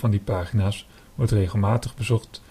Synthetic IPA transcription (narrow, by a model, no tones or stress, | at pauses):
vɑndipaːχinaːs | ʋɔɹtrejχəlˠmaːtəχbəzɔχt